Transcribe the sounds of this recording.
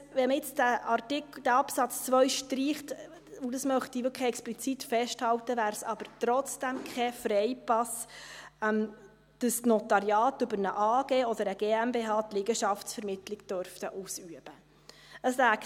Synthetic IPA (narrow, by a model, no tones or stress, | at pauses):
ʋɛməɪt͡sdæʔɑrtɪkd̥æɑpsɑt͡st͡sʋœʏʃtɾiːχt | udɑsmœχt̪iʋɪkʰɛksplit͡sitfɛʃthɑwtəvæːɾsɑb̥əɾtɾɔt͡sd̥ɛmkʰɛfɾɛɪpɑs | m | d̥əsnɔtɑɾjɑːtʏbəɾnəʔɑːɡ̥eːɔd̪əɾəɡ̥eːæmbeːɦɑːtlɪɡəʃɑftsfɛɾmɪtlɪɡd̥œɾft̪əʔuːsyəb̥ə | əslæːk